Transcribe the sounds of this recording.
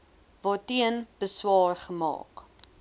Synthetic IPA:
vɑːtiənb̥əswɑːrχəmɑ̰ːk

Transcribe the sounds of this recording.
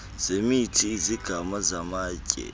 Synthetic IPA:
z̥emiːtizikamɐzɐmaːkʲʼḛ

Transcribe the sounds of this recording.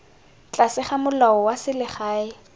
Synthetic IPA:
t͡ɬʼasɪχamʊlaɔwasɪlɪχaːɪ

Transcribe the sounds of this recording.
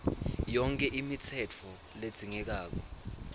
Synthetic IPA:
jɔŋkʼɛʔimit͡sʰɛt͡fʰɔ | led̥z̥ʱiŋɛk̬aːk̬ɔ

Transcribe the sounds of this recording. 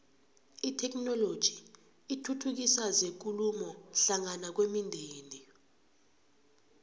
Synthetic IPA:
itʰɛk̬ʼnɔlod̥ʒ̥ʱi | itʰutʰuk̬isazek̬ulumɔɬaŋanak̬wemindʱeːni

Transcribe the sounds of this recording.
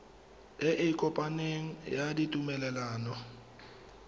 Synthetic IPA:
ɪʔekʼɔpʼaneŋ̩jaditʼumɛlɛlaːnɔ

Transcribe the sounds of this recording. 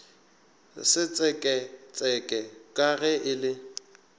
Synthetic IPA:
sɪt͡sʼɛkʼɛt͡sʼɛkʼɛkʼaɣɛʔɪlɪ

